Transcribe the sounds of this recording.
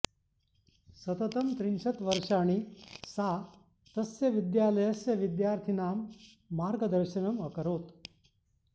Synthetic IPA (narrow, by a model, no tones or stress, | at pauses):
sɐt̪ət̪ɐmt̪ɾinɕɐt̪ʋəɾʂaːɽ̃iːsa | t̪ɐsjɐʋid̪jaːləjəsjɐʋid̪jaːɾt̪ʰinaːmː | aːɾɡəd̪əɾɕɐnəməkəɾoːt̪